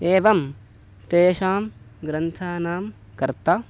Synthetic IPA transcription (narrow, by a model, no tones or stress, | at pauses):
eːʋɐm | t̪eːʃaːm | ɡɾɐnt̪ʰaːnaːm | kɐɾt̪a